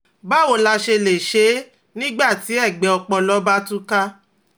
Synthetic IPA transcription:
ba˦wo˦˨la˧ʃe˧le˨ʃe˨˦ | nĩ˦ɡ͡ba˦˨ti˨˦ɛ˦˨ɡ͡bɛ˨˦ɔ˧k͡pɔ˧lɔ˦ba˦tũ˦ka˦

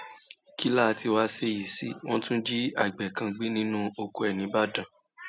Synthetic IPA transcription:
ki˦la˦˨˧ti˧wa˦se˧ji˨sḭ˨˦w̃ɔ̃˦tũ˦n̩˦d͡ʒi˦a̰˦˨ɡ͡bɛ˨kã˧ɡ͡bi˦nĩ˦nũ˦o˧ko˧ɛ˨nĩ˨˦ba˦dã˨

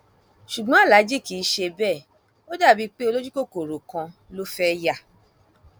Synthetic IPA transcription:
ʃu˨ɡ͡bɔ̃˦a˦˨la˨˦d͡ʒi˦˨ki˨˦ʃe˧bɛ˦˨ | o˦da˦˨bi˧˦k͡pe˦o˧lo˦d͡ʒu˦ko˦˨ko˨ɾo˨kã˧lo˦fɛ˦ja˦˨

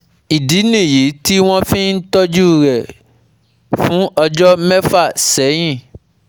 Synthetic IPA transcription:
i˨di˨˦nĩ˦˨ji˨˦ti˦w̃ɔ̃˦fĩ˦n̩˦tɔ˦d͡ʒu˦ɾɛ˨ | fũ˦ʔɔ˧d͡ʒɔ˦mɛ˦fa˦˨sɛ˨˦j̃ĩ˦˨

